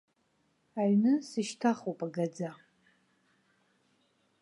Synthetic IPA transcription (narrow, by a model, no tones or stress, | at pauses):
aɥnɨsɨʃtʰaχowpʼaɡad͡za